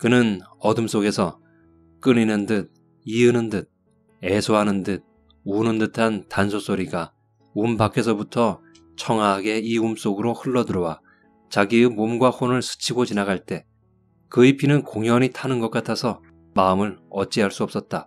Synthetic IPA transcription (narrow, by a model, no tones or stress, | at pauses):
kɯnɯnʌdɯms͈oɡe̞sʰʌ | k͈ɯninɯndɯd̚ | iɯnɯndɯd̚ | e̞sʰoɦanɯndɯd̚ | unɯndɯtʰantansʰos͈ʰoɾiɡa | umbakʰe̞s̬ʰʌbutʰʌ | t͡ɕʰʌŋaːɡe̞iums͈oɡɯɾohɯɭːʌdɯɾʌwa | t͡ɕaɡiɯmomɡwahonɯɭsʰɯ̥t͡ɕʰiɡot͡ɕinaɡaɭt͈e̞ | kɯipʰinɯnkoŋjʌɲitʰanɯnɡʌk͈atʰasʰʌ | maɯmɯɾʌt͡ɕ͈iɦaɭs͈uʌp̚s͈ʌt̚t͈a